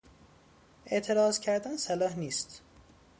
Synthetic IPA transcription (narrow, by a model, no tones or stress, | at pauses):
ʔe̞ʔt̪ʰe̞ɾɒːzcʰæɾd̪ænsælɒːhniːst̪